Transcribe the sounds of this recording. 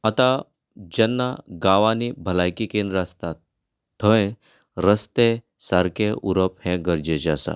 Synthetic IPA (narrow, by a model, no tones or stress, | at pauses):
ət̪ã | d͡ʑɛnːaɡaʋanibʱəlajkikenɾast̪at̪ːʰ | əẽ | ɾəst̪e | saɾkʰeʔuɾəphẽɡəɾd͡ʑet͡ɕasa̰